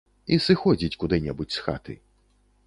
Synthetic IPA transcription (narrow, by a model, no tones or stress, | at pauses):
isɨxɔd͡zʲit͡sʲkud̪ɨnʲɛbut͡sʲsxa̰t̪ɨ̰